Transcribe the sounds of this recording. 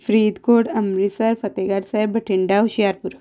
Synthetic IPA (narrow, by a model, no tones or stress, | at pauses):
fɾiːd̪koːɽɐmɾisɐɾfɐt̪eɡaɾsaebəʈʰiɳɖaɦuɕijaɾpuɾ